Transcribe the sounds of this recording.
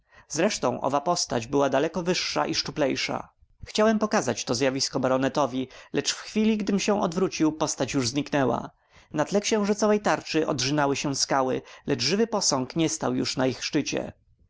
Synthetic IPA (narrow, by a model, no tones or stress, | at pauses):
zɾɛʂt̪ɔ̰̃w̃ʔɔ̰vapɔst̪ad͡ʑbɘwad̪alɛkɔvɘʂːa̰ʔiʂt͡ʂuplɛjʂa̰ | xt͡ɕawɛmpɔkazat͡ɕt̪ɔzʲjavʲiskɔbaɾɔnɛt̪ɔvʲilɛt͡ʂfxfʲilʲiɡd̪ɘmɕɛ̃w̃ɔd̪vɾut͡ɕiwpɔst̪at͡ɕjuʐzɲiknɛwa̰ | nat̪lɛkɕɛ̃w̃ʐɘt̪sɔvɛjt̪aɾt͡ʂɘʔɔ̰d̪ʐɘnawɘɕɛw̃skawɘlɛd͡ʐʐɘvɘpɔsɔ̃ŋkɲɛst̪awjuʂnaixʂt͡ʂɘt͡ɕɛ̰